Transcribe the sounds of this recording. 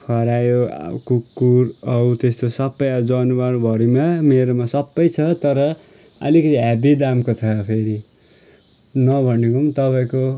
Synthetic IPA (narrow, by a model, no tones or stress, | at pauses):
pʰʌɾajo̰kukːuɾʌut̪est̪osʌbːʌjad͡zʌnubaɾbʱʌɾimameɾomasʌbːʌjt͡sʰʌt̪ʌɾʌ | ʌ̰likʌt̪iɦabid̪amkot͡sʰʌpʰeɾi | nʌbʱʌnekomt̪ʌpaĩko